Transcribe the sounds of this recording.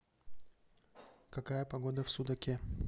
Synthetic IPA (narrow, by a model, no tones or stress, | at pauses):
kɐkajəpɐɡod̪əfsʊd̪ɐkʲe